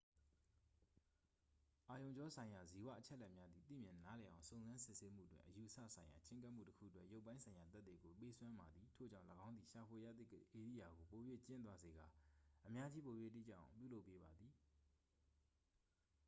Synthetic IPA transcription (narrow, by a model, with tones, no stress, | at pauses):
ʔa˨jõ˨ʊ̃ɲd͡ʑɔ˦sʰã˨ɪ̃ja˨zi˨wä̰˦˨ʔət͡ɕʰɛ̰˦lɛ˦ʔmja˦d̪ði˨t̪ḭ˦˨mjɪ̃˨na˦lɛ˨ʔã˨ʊ̃sõ˨ʊ̃zã˦nsɪ˦ʔse˦m̥ṵ˦˨twɪ̰̃˨ʔəju˨ʔəsä̰˦˨sʰã˨ɪ̃ja̰˨t͡ɕɪ̃˦ŋk̬a˦ʔm̥ṵ˦˨təkʰṵ˦˨twɛ̰˦ʔjo˦ʊpːã˦ɪ̃sʰã˨ja˨t̪ɛ˦t̪t̪ːwe˨ɡo˨pe˦swã˦ma˨d̪ði˨tʰo̰˦˨d͡ʑã˦˨ləɡã˦ʊ̃nd̪i˨ʃa˨pʰwe˨ja̰˦˨d̪ḭ˦˨ʔe˨ɾḭ˦˨ja˨ɡo˨po˨jwḛ˦˨t͡ɕɪ̃˦nt̪wa˦ze˨ɡa˨ʔəmja˦d͡ʑi˦po˨jwḛ˦˨t̪ḭ˦˨t͡ɕã̰˦˨ã̰˨mpjṵ˦˨lo˦ʊpːe˦ba˨d̪ði˨